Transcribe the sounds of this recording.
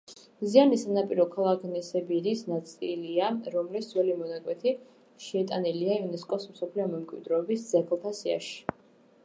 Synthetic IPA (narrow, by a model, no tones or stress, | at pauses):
zianisanapʼiɾɔkʰalˠakʰnɛsɛbiɾisnat̪sʼiliaɾɔmlisd̪zwɛlimɔnakʼwɛt̪ʰi | ʃɛɛt̪ʼaniliaiunɛskʼɔsmsɔpʰliɔmɛmkʼwḭd̪ɾɔːbisd̪zɛkʰlˠt̪ʰasia̰ʃi̥